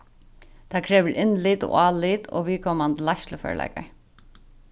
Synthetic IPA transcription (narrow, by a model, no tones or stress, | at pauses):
t̪ʰaːkʰɾɛːʋəɾʔɪnliːt̪o̰ɑːliːt̪o̰ːʋiːkʰɔːmand̪laʃləfœ̰ːlɛ̰ɪka̰ɹ